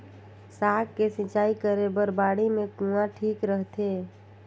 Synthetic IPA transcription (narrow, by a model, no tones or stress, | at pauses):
saːkkːesɪ̃t͡ʃaːikəɾebəɾbaːɽimẽkũãʈʰiːkɾəɦt̪eː